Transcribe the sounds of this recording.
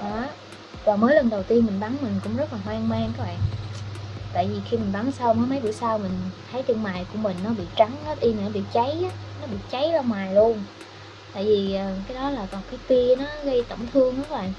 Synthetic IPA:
ʔɔ˨˦ | vaː˨˩məː˨˦jlə˨˩nɗə˨˩wt̪i˧ənmi˨˩ŋ̟ɓa˨˦ŋmï˨˩ŋ̟kʊ̰˧˥ŋ͡mzə˦˥t̚laː˨˩hwaː˧ŋmaː˧ŋkɔ˨˦ɓa̰ː˧˨ŋ | t̪a̰ː˧˨jvi˨˩xi˧mi˨˩ŋ̟ɓa˨˦ŋsa˧wməː˨˦jmə˨˦jɓɨ̰˧˩əjsaː˧wmï˨˩ŋ̟t̪ʰə˨˦jt̪ɨ˧əŋmaː˨˩jku˧˩əmï˨˩ŋ̟nɔ˨˦ɓḭ˧˨t͡ɕa˨˦ŋaː˨˦ʔi˧mi˨˩˨nɔ˨˦ɓḭ˧˨t͡ɕə˨˦jaː˨˦nɔ˨˦ɓḭ˧˨t͡ɕə˨˦jla˧wŋ͡mmwaː˨˩jlu˧ən | t̪a̰ː˧˨jvi˨˩ʔəː˨˩kaː˨˦jɗɔ˨˦laː˨˩kɔ˨˩kaː˨˦jt̪i˧nɔ˨˦ɣə˧jt̪ə̰˧˩mt̪ʰɨ˧əŋkɔ˨˧˦kɔ˨˦ɓa̰ː˧˨ŋʔ

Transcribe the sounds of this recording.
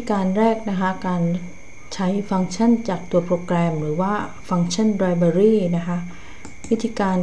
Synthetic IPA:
kaː˧nɾɛː˥˩k̚na˦˥kʰa˦˥kaː˧n | t͡ɕʰa˦˥jfa˧ŋt͡ɕʰa˥˩nt͡ɕaː˨˩k̚t̪u˧ɐpʰɾoː˧kɾɛː˧mɾɯː˩˦waː˥˩ | fa˧ŋt͡ɕʰa˥˩nɾa˧jbɛː˧ɾiː˥˩na˦˥kʰa˦˥ʔ | wi˦˥t̪ʰiː˧kaː˧n

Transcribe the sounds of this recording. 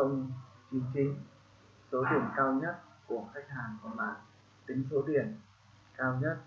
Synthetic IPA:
ə˧wŋ͡m | t͡ɕi˨˧˦əŋt͡ɕï˨˦ŋ̟ | so˨˦ɗi˨˧˩ənkaː˧wɲə˦˥t̚ | ku˧˩əxa˦˥jk̟̚ɦaː˨˩ŋva˨˩maː˨˩n | t̪ï˨˦ŋ̟so˨˦ɗi˧˩ən | kaː˧wɲə˦˥t̚

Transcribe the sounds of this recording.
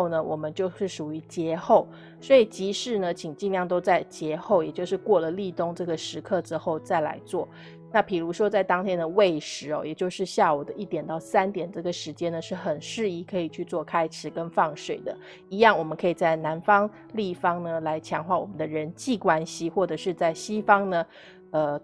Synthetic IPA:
o˥˩ʊnə˩wʔɔ˨˩mə˦nt͡ɕjo˥˧ʊʂɻ̩˥˩ʂu˨˩y˧˥t͡ɕjɛ˧˥xo˥˩ʊ | swɔ˧˥i˨˩t͡ɕi˧˥ʂɻ̩˥˩nə˨t͡ɕʰi˨˩ŋt͡ɕi˥˧njɑ˥˩ŋt̪o˥ʊt͡sa˥˩ɪt͡ɕjɛ˧˥xo˥˩ʊjɛ˨˩t͡ɕjo˥˧ʊʂɻ̩˥˧kwɔ˥˩lə˩li˥˧t̪ʊ˥˧ŋʈ͡ʂɤ˥˩ɡə˩ʂɻ̩˧˥kʰɤ˥˧ʈ͡ʂɻ̩˥xo˥˩ʊt͡sa˥˩ɪla̰˧˥ɪt͡swɔ˥˩ | na˥˩pi˨˩ɻu˧˥ʂwɔ˥t͡sa˥˩ɪt̪ɑ˥ŋt̪ʰjɛ˥nd̪ə˨we˥˩ɪʂɻ̩˧˥ɔ̰˧˩jɛ˨˩t͡ɕjo˥˧ʊʂɻ̩˥˧ɕja˥˩u˨˩d̪ə˦ʔi˥˩t̪jɛ˨˩nt̪ɑ˥˩ʊsa˥nt̪jɛ˨˩nʈ͡ʂɤ˥˩ɡə˩ʂɻ̩˧˥t͡ɕjɛ˥nd̪ə˨ʂɻ̩˥˩xə˨˩nʂɻ̩˥˧i˥˩kʰɤ˧˥i˨˩t͡ɕʰy˥˧t͡swɔ˥˩kʰa˥ɪʈ͡ʂʰɻ̩˨˩˦kə˥nfɑ˥˩ŋʂwe˨˩ɪd̪ə˦ | i˧˥jɑ˥˩ŋwɔ˨˩mə˦nkʰɤ˧˥i˨˩t͡sa˥˩ɪna˧˥nfɑ˥ŋ | li˥˩fɑ˥ŋnə˧la˧˥ɪt͡ɕʰjɑ˧˥ŋxwa˥˩wɔ̰˨˩mə˦nd̪ə˧ɻə˧˦nt͡ɕi˥˩kwa˥nɕi˥xwɔ˥˩ʈ͡ʂɤ˨˩ʂɻ̩˥˧t͡sa˥˩ɪɕi˥fɑ˥ŋnə˧ | ə˧

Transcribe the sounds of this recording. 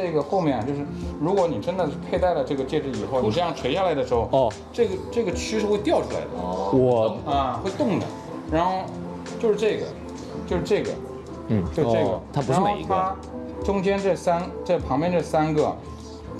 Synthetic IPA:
ɤ˥˩ɡə˩xo˥˧ʊmʲjɛ˥˩n˩t͡ɕjo˥˧ʊʂɻ̩˥˩ɻu˧˥kwɔ˧˥ni˨˩ʈ͡ʂə˥nd̪ə˨ʂɻ̩˥˧pʰe˥˧ɪt̪a˥˩ɪlə˩ʈ͡ʂɤ˥˩ɡə˩t͡ɕjɛ˥˧ʂ̩˥˩i˨˩xo˥˩ʊni˨˩ʈ͡ʂɻ̩ɤ˥jɑ˥˩ŋʈ͡ʂʰwe˧˥ɪɕa˥˩la˧˥ɪd̪ə˧ʂɻ̩˧˥xo˧ʊ˧ | ʈ͡ʂɤ˥˩ɡə˩ʈ͡ʂɤ˥˩ɡə˩t͡ɕʰy˥ʂɻ̩˥˧xwe˥˧ɪt̪jɑ˥˩ʊʈ͡ʂʰu˥la̰˧˥ɪd̪ə̰˧ɔ˩ə˥˧˩xwe˥˧ɪt̪ʊ˥˩ŋd̪ə̰˩ | ɻa˧˥nxo˥˧ʊ | t͡ɕjo˥˧ʊʂɻ̩˥˧ʈ͡ʂɤ˥˩ɡə̰˩ | t͡ɕjo˥˧ʊʂɻ̩˥˧ʈ͡ʂɤ˥˩ɡə̰˩˥˩ | t͡ɕo˥˧ʊʂɡə̰˩t̪ʰa˥pu˧˥ɻ̩˥˩mḛ˨˥˩ɡt̪ʰa˧a˥ | ʈ͡ʂʊ˥ŋt͡ɕjɛ˥nʈ͡ʂɤ˥˩sa˥nʈ͡ʂɤ˥˩pʰɑ˧˥ŋpjɛ˥nʈ͡ʂɤ˥˩sa˥nɡə̰˩

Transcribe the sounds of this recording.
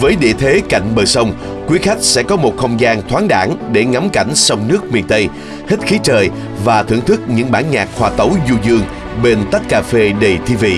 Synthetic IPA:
vəː˨˦jɗḭ˧˨ət̪ʰe˨˦ka̰˧˨jŋ̟ɓəː˨˩sə˧wŋ͡m | kwi˨˦xa˦˥jk̟̚sɛ̰˧˥kɔ˨˦mo˨˩t̚xə˧wŋ͡mzaː˧ŋt̪ʰwaː˨˦nɗa̰ː˧˩nɗe˧˩ŋa˨˦mka˧˩jŋ̟sɔ˧wŋ͡mnɨ˦˥ək̚mi˨˩nt̪ə˧j | hi˦˥t̚xi˨˦t͡ɕəː˨˩j | vaː˨˩t̪ʰɨ̰˧˩əŋt̪ʰɨ˦˥k̚ɲɨ̰˧˥ŋɓaː˧˩nɲaː˨˩k̚hwaː˨˩t̪ə˨˦wzu˧zɨ˧əŋ | ɓe˧nt̪a˦˥t̚kaː˧fe˧ɗə˨˩jt̪ʰi˧vḭ˧˨

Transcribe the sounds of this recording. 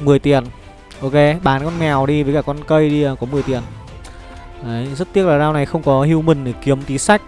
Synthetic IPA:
mɨ˨˩əjt̪i˨˩ən | ʔo˧ke˧ɓaː˨˦nkɔ˧nmɛ˨˩wɗi˧vəː˨˦jkaː˧˩kɔ˧nkə˧jɗi˧˩kɔ˨˦mɨ˨˩əjt̪i˨˩ən | ə˨˦zə˦˥t̚t̪i˦˥əlaː˨˩zaː˧wna˨˩jxə˧wŋ͡mkɔ˨˦hi˧ə˧wmï˨˩ŋ̟ɗɨ˨˩ki˨˦əmt̪i˨˦sa˦˥jk̟̚

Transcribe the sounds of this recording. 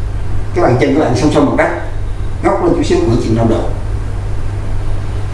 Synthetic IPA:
kaː˦˥k̚ɓa̰ː˧˨t͡ɕə̰˧˩nvə˨˦˩ɓa̰ː˧˨ŋsa˧wŋ͡msɔ˧mo˨˩t̚ka˦˥jk̚ɣɔ˦˥k͡p̚lə˧nt͡ɕu˧˩˦si˦əwku˧˩ət͡ɕḭ˧˨əna˧mɗə̰˨˩

